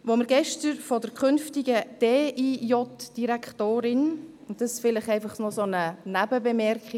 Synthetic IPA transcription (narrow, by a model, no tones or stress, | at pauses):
ʋoməɾɡɛʃtəɾfɔdəɾkχʏnftɪɡəd̥eːʔijɔtd̥iɾækχtoːɾɪn | ʊntd̥ɑsfɪləχɛɪfɑχnɔsonənæbəbɛmɛɾkχi